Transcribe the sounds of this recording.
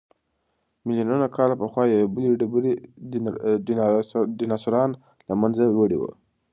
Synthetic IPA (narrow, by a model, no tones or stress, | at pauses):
mɪlijananakɑlapəxwɑjawebəliɖbɾi | ɖinɑsuɾɑn | lamanzawəɽḭwə̰